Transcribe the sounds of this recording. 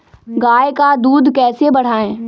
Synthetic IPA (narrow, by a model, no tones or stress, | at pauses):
ɡaːekad̪uːd̪kɛːsebɐɽ̤aːẽː